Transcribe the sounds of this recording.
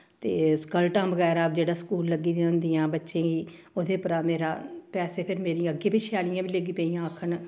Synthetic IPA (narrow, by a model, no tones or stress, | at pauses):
t̪eːskəlʈãːbəɣɛːɾaːp̚d͡ʒeːɽaːskuːlːəɡiːd̪ẽʊ̃nd̪ijãːbətːʃẽːɡiː | ʊd̪eːpəɾaːmeːɾaːpɛːseːpʰɪɾmeːɾĩːəɡeːbiːt͡ʃʰaːlɪjãːʋiːləɡiːpeːijãːəkʰən